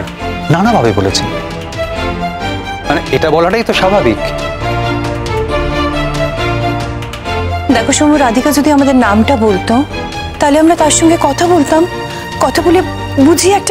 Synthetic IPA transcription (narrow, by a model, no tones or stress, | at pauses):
ɾ | nanabʱabebolḛt͡ɕʰen | maneʔeʈabɔlaʈajt̪oʃabʱabik | d̪ɛkʰoʃomuɾad̪ʱikad͡ʑod̪iamad̪eɾnamʈabolt̪o | t̪aɦoleamɾat̪aɾʃɔŋɡekɔt̪ʰabolt̪am | kɔt̪ʰabole | bud͡ʑʱiɛk̚ʈa